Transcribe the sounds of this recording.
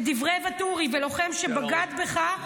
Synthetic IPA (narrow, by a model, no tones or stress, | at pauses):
d̪ivʁevat̪uʁivelo̞χe̞mʃebaɡad̪beχa